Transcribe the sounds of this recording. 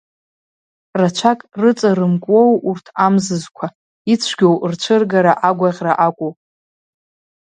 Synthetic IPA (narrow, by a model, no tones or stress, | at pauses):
rat͡ʃʷʰakʼrɨt͡sʼarɨmkʼwo̞wurtʰamzɨzkʷʰa | it͡sʷʰɡʲowrt͡ʃʷʰɨrɡaɾaʔaɡʷaʁʲraʔakʷʼupʼ